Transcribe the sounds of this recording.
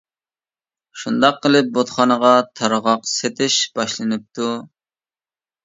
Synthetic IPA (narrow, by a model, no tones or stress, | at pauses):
ʃund̪ɑqːəlˠɪp̚bot̪χɑnəʁɑt̪ʰɑɾʁɑqset̪ʰɪʃb̥ɑʃlˠɨnɨp̚t̪ʰu